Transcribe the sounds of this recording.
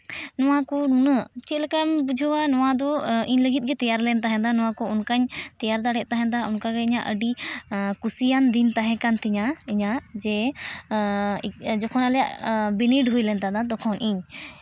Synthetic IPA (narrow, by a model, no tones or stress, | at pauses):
nɔwakɔunət͡ʃit̪̚lɛkambud͡ʒʱɔwanɔwad̪ɔiɲləɡit̪̚ˀɡɛt̪ɛjaɾlɛnt̪aɦɛ̃d̪anɔw̃akɔunkaɲt̪ɛjaɾd̪aɽɛʔ̚t̪aɦɛ̃d̪aunkaɡɛiɲaʔəɖikusijand̪int̪aɦɛ̃kant̪ʰɛɲaiɲad͡ʒɛ | d͡ʒɔkʰɔnalɛja̰ʔbiniɖɦujlɛnt̪ad̪ad̪ɔkʰɔnʔiɲ